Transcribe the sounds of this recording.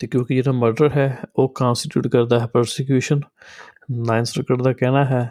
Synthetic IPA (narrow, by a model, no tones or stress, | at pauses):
t̪eːkjõːkɪd͡ʒeːɽaːməɾɖəɾɦɛːoːkãːnsʈɪʈjṵːʈkəɾd̪aːɦɛːpəɾsɪkjuːʃən | naːɪnsʈɾəkːəɖd̪aːkɛːnaːɦɛː